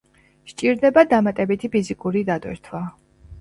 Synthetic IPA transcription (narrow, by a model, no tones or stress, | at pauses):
ʃt͡ʃʼiɾd̪ɛbad̪amat̪ʼɛbit̪ʰipʰizikʼuɾid̪ad̪wɛ̰ɾt̪ʰwa